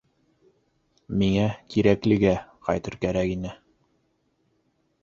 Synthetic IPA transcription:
miŋækiɾæklɘ̆ɡæqɑjt̪ɤ̆ɾkæɾækinɘ

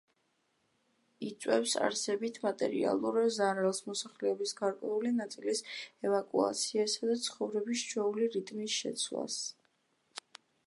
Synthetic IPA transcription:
it̪sʼwɛfsa̰ɾsɛbit̪ʰmat̪ʼɛ̰ɾḭa̰lˠuɾzaɾalˠsmɔsaχlɛɔbisɡaɾkʼwɛulinat̪sʼilisɛvakʼua̰t̪sʰiɛsad̪at̪sʰχɔvɾɛbist͡ʃʰwɛuliɾit̪ʼmisʃɛ̰t̪sʰla̰s

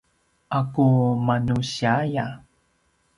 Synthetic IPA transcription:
ʔakumanuɕiaja

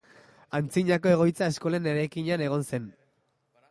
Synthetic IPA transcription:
ant͡siɲako̞e̞ɣ̞o̞jt͡sae̞sko̞laene̞ɾajkiɲane̞ɣ̞o̞nse̞n

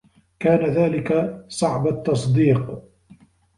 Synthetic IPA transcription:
kaːnaðaːlɪkasˤɑʕbat̪ːɑs̬ˤd̪iːq

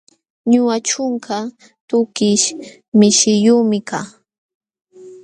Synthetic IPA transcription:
ɲʊwat͡ʃʊŋka | t̪ʊkɪʃ | mɪʃɪjuːmɪkaː

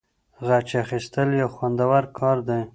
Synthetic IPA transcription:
ɣat͡ʃaxist̪əljawxwand̪awaɾkʰɑɾd̪e

